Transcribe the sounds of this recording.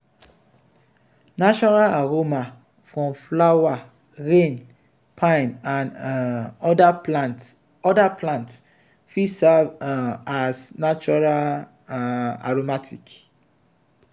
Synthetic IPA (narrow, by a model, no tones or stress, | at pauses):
naʃɔnalaɹoma | fɹɔ̃mflawa | ɹẽn | pʰãɪ̃nãn | dat | ɔdapʰlãnts | fisɛvasnat͡ʃɔɹal | a̰ɹomatʰik